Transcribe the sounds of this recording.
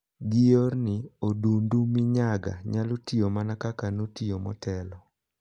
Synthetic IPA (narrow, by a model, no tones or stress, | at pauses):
ɡɪjornɪodundumɪɲaɡa̰ɲalotiomanakakanotiomɔ̰tɛlɔ